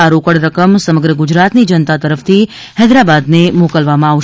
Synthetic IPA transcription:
aɾokəɽɾəkəmsəməɡɾəɡʊd͡ʒɾat̪nid͡ʒənt̪at̪əɾəft̪ʰi | hɛd̪ɾabad̪nemokəlʋamãaʋʃ

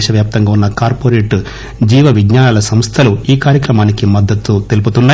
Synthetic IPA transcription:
ʃɐʋjaːp̚t̪ɐŋɡaːunːɐkaːɾpoːɾeːʈ | d͡ʒiːʋɐʋiɡɲaːnaːlɐsɐmst̪ʰɐluiːkaːɾjɐkɾɐmaːnikimɐd̪ːɐt̪ːut̪e̞lup̬ut̪unːaː

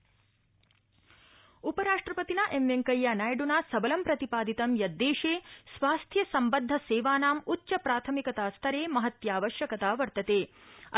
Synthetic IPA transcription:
upɐɾaːʂʈɾɐpɐt̪inɐʔemʋeŋkɐjːanaːjɖunaːsɐbɐlɐmpɾɐt̪ipaːd̪it̪ɐmjɐd̪ːeːʂeːsʋaːst̪ʰjɐsɐmbɐnd̪ʱːɐseːʋaːnaːmutːʃɐpɾaːt̪ʰɐmikɐt̪aːst̪ʰɐɾeːmɐɦɐt̪jaːʋɐʃjɐkɐt̪aːʋɐɾt̪ɐt̪eː

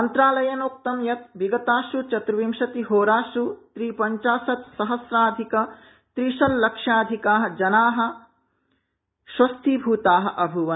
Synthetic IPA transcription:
ɐnt̪ɾaːlɐjɐnoːk̚t̪ɐmjɐt̪̚ʋiɡɐt̪aːʃut͡ʃɐt̪ɾɐʋimʃɐt̪iɦoːɾaːʃut̪ɾiːpɐɲt͡ʃaːsɐt̪sɐɦɐsɾaːd̪ʱikɐ | t̪ɾiʃɐlːɐkʂjaːd̪ʱikaːɦɐ̆d͡ʒɐnaːɦɐ̆ | ʃwɐst̪ʰibʱuːt̪aːɦɐ̆ʔɐbʱuʋɐ

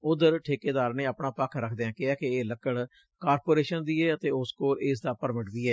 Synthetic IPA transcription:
ʊd̪əɾʈʰeːkeːd̪aːɾneːəpɳaːpəkʰɾəkʰd̪eãːkɪɛːkɪeːləkːəɽ | kaːɾpoːɾeːʃənd̪iːɛːət̪eːʊskoːɾeːs̬d̪aːpəɾmɪʈbiːɛː

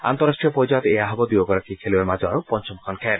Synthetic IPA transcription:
a̰nt̪oɾaʃʈɾiopod͡ʑat̪eaɦɔɡod̪uoɡɔɾakikʰeluemad͡ʑɔɾpɔnt͡ɕɔmkʰɔnkʰeɾ

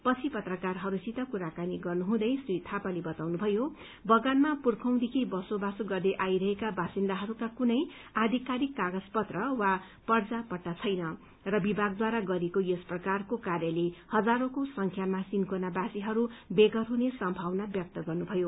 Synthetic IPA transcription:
pʌt͡sʰipʌt̪rʌkarɦʌɾusit̪ʌkuɾakaniɡʌrnuɦũd̪ʌjsujt̪ʰapalebʌt̪awnubʱʌjo | bʌɡanmapurkʰʌw̃d̪ekʰibʌsobasoɡʌrd̪eʔajɾʌɦekabasind̪aɦʌɾukakunʌj | ad̪ʱikaɾikːaɡʌd͡zpʌt̪rʌwa | pʌrd͡zapʌʈːat͡sʰʌjnʌ | rʌbibʱaɡ̚d̪waɾaɡʌɾekojʌsprʌkarkokarjʌlehʌd͡zaɾokosʌŋkʰjamasinkonabasiɦʌɾubeɡʌrɦunesʌmbʱawnabjʌk̚t̪ʌɡʌrnubʱʌjo

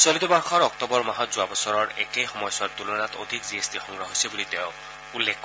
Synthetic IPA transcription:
solit̪ɔbaɹxʰɔɹɔktɔbɔɹmaɦɔt̪zuabɔsɔɹɔɹɛ̰kejxɔmɔjsɔɹt̪ulɔnat̪o̰d̪ʱikziesdixɔŋɡɹaɦojsibulit̪eʊ̃ | ulːek

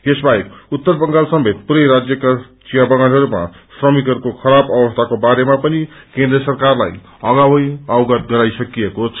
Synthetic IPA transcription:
esbaekut̪ːʌrbʌŋɡalsʌmbʱet̪̚puɾʌjɾad͡zjʌkat͡sijabʌɡanɦʌɾuma̰srʌmikɦʌɾukokʰʌɾabʌbʌst̪ʰakobaɾemapʌnikẽnd̪ɾʌsʌrkarla̰j | ʌɡawʌjawɡʌt̪ɡʌɾajsʌkijekot͡sʰ

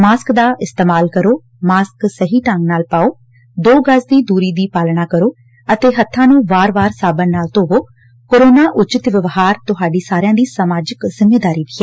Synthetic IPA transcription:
maːskd̪aːʔɪst̪eːmaːlkəɾoː | maːsksəɦiːʈãŋɡnaːlpaːoː | d̪oːɡəsd̪iːd̪uːɾiːd̪iːpaːlɽ̃aːkəɾoː | ət̪eːɦət̪ʰːãːnũːʋaːɾʋaːɾsaːbənːaːlt̪oːʋoː | koːɾoːnaːʔʊt͡ʃɪt̪ʋəʋɦaːɾt̪ʊɦaːɖiːsaːɾɪjãːd̪iːsəmaːd͡ʒəkzɪmːeːd̪aːɾiːd̪iːɛː

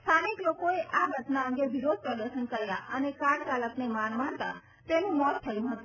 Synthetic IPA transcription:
st̪ʰaniklokoeʔaɡʱəʈnaə̃ŋɡebiɾod̪̚ʱpɾəd̪əɾʃənkəɾja̰ʔənekaɽt͡ʃaləknemanmant̪a̰ | t̪enũmɔt̪tʰəjũɦət̪ũ

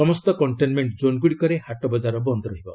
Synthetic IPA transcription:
ɔmɔst̪ɔkɔɳʈenmeɳʈd͡ʒonɡuɽikɔɾehaʈɔbɔd͡ʒaɾɔbɔnd̪ʱɾɔɦibɔ

